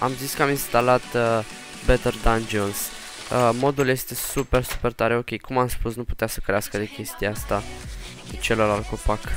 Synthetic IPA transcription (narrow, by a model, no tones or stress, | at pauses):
a̰mziskəaminst̪alat̪ə | bet̪erd̪and͡ʒons | əmo̞d̪ulje̞st̪e̞supe̞rsu̥pe̞rt̪aɾeo̞kʲe̞jkumamspusnuput̪easəkɾeaskəd̪ekʲe̞st̪iaast̪a | t͡ʃe̞loɾalkopak